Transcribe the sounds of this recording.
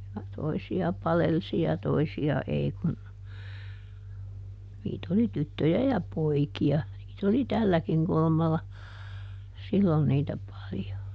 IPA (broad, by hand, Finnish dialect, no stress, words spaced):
jɑ toisiɑ pɑlelsi jɑ toisiɑ ei kun niːt oli tytːøjæ jɑ poikiɑ niːt oli tælːækiŋ kulŭmɑlːɑ silːon niːtæ pɑljo